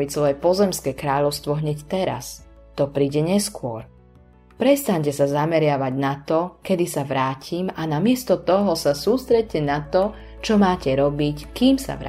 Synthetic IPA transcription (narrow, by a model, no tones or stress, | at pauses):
isʋɔjɛpɔzɛmskɛːkɾaːʎɔʊst̪ʋɔɦɲɛct̪ɛɾa̰s | t̪ɔpɾiːɟɛɲɛskʊɔɾ | pɾɛst̪aɲcɛsazamɛɾɪaʋaɟnat̪ɔkɛd̪isaʋɾaːcʰimanamɪɛst̪ɔt̪ɔɦɔsasuːst̪ɾɛc̚cɛnat̪ɔ | t͡ʃɔmaːcɛɾɔbickiːmsa̰ʋɾa̰